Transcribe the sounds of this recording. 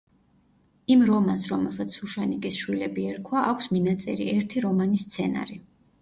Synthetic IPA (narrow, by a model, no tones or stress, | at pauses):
imɾɔmansɾɔmɛlˠsat̪sʰuʃanikʼisʃwilɛbiɛɾkʰwaʔakʷʰsminat̪sʼɛ̰ɾḭɛɾt̪ʰiɾɔmanist̪sʰɛna̰ɾi